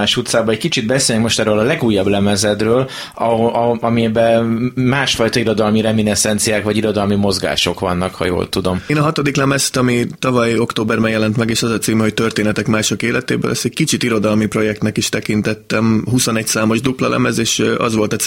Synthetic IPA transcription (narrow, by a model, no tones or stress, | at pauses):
aːʃut̪saːbɒɛc̚kit͡ʃid̪̚bɛselnɛkmo̞ʃt̪ɛɾøːlɒlɛɡuːjːɒblɛmɛzɛd̪røːl | ɒɒɒmiɛbɛmaːʃfɒjt̪ɒiɾo̞d̪ɒlmiɾɛminɛsɛnt̪sijaːkvɒɟiɾo̞d̪ɒlmimo̞zɡa̰ːʃo̞kʋɒ̰nːɒkhɒ̰jo̰ːlt̪ud̪o̞meːnɒɦɒt̪o̞d̪iklɛmɛst̪ɒmit̪ɒvɒjo̞kt̪oːbɛrbɛnjɛlɛnt̪mɛɡeːʃɒzɒt̪siːmɛho̞c̚t̪ø̞rt̪eːnɛt̪ɛkmaːʃo̞keːlɛt̪ḛːbø̰ːlʔɛst̪ɛɟ̚kit͡ʃit̪iɾo̞d̪ɒlmipro̞jɛkt̪nɛkiʃt̪ɛkint̪ɛt̪ːɛmɦuso̞nɛcsaːmo̞ʒd̪uplɒlʔɛ̰mɛzeːʃɒ̰zʋo̞lt̪ɛ